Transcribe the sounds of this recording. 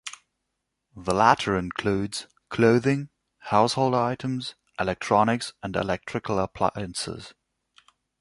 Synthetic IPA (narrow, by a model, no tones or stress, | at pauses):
ðəlæɾə˞ɪ̃nkʰl̥ʉːdz̥ | kʰl̥oʊðɪ̃ŋ | haʊshoʊlˠdaɪɾə̃mz | ʔɪlɛk̚tʰɹ̥ɑnɪksə̃nɪ̰lɛk̚tʰɹ̥ɨkʰəl̩ˠəpʰl̥a̰ɪə̃nsɪ̰z̥